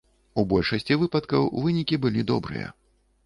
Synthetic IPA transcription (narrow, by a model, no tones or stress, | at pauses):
ubɔlʲʂɐsʲt͡sʲivɨpɐt̪kɐwvɨnʲikʲibɨlʲid̪ɔ̰bɾɨ̰jɐ̰